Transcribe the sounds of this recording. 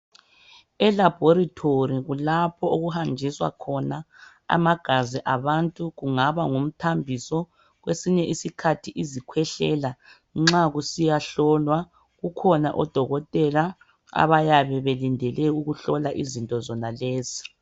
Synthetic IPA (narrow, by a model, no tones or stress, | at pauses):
ɛlab̥ʱoɾitʰoriɣulapʰɔoɣuhand͡ʒʱiswa̰kʰɔna | a̰maɡ̥ʱaziʔaβantʼuɣuŋaβaŋum̩tʰambʱisɔ | ɣwesiɲɛʔisikʰatʰiʔizikʰwɛɬɛla | ŋ͡ǁaɣusijaɬɔlwa | ɣukʰɔna̰ʔɔd̥ʱɔɣɔtʼɛla | a̰βajaβɛβɛlindʱɛlɛuɣuɬɔlaʔizintʼɔzɔnaleːzi̥